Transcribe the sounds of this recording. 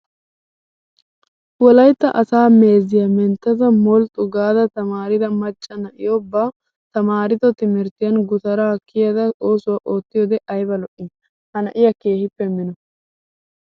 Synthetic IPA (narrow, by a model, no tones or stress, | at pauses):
wɔlɐjt̪ːɐ̰ʔɐsaːme̞ːzɪjɐmɛnt̪ːɐzɐmɔlt̪ʼʊɡaːd̪ɐt̪ɐmaːɾɪd̪ɐmɐt͡ʃʼːɐnɐʔɪ̰jobːaː | t̪ɐmaːɾɪt̪ɔt̪ɪmɪɾt̪ɪjɐnɡʊt̪ɐɾaːkːɪjɐd̪ɐo̞ːsʊwaːʔo̞ːt̪ːɪjoːd̪ɛʔɐjbɐlɔʔɪn | hɐnɐʔɪjɐke̞ːhɪpːɛmɪnɔ